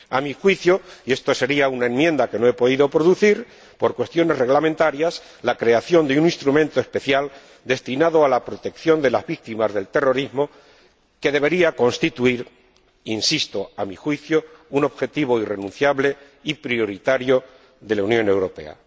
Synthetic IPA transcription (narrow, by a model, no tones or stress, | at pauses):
amixwiθjoie̞st̪ose̞ɾiaunaẽ̞nmje̞nd̪ake̞noe̞po̞ðiðo̞pɾo̞ðuθiɾ | po̞ɾkwe̞st̪jo̞ne̞zre̞ɣlamẽnt̪aɾjas | lakɾe̞aθjo̞nd̪eunĩnst̪ɾumẽ̞nt̪oespe̞θjal | d̪e̞st̪inaðoalapɾo̞t̪e̞kθjo̞nd̪e̞lazβik̚t̪imazðe̞lt̪e̞ro̞ɾizmo | ke̞ðe̞β̞e̞ɾiako̞nst̪it̪uiɾ | insist̪o̞amixwiθjouno̞βxe̞t̪iβo̞ire̞nũn̟θjaβle̞ | ipɾjo̞ɾit̪aɾjo̞ | ðe̞launjõ̞ne̞wɾo̞pe̞̰a̰